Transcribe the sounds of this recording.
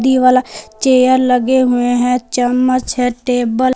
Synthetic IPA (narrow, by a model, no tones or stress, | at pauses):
d̪iːʋaːlaːt͡ʃeːjəɾləɡeɦʊeɦɛ̃t͡ʃəmət͡ʃɦɛːʈeːbəl